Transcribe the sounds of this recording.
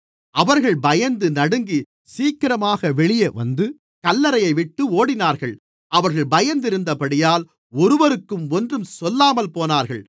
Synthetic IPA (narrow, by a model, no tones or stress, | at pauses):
ɐʋɐɾɣɐɭbɐjɐnd̪ɯnɐɽɯŋɡi | siːkːɪɾɐmaːɣɐʋɛɭɪjɐʋɐ̰nd̪ɯ | kɐlːɐɾɐjɐɪʋɪʈːɯoːɽɪnaːɾɣɐɭ | ʔɐʋɐɾɣɐɭbɐjɐnd̪ɪɾɯnd̪ɐpɐɽɪjaːl | ɔɾɯʋɐɾɯkːɯmɔndrɯmsɔlːaːmɐlpoːnaːɾɣɐ̰ɭ